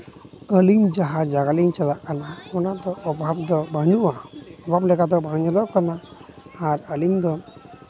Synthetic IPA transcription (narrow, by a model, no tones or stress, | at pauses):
əliŋd͡ʒaɦad͡ʒaɡaliŋt͡ʃalaʔkanaɔnad̪ɔʔːbʱabd̪ɔbʱaɲuʔaɔbʱablɛkad̪ɔbʱaɲɔlɔkanaː | ɾəliŋd̪ɔ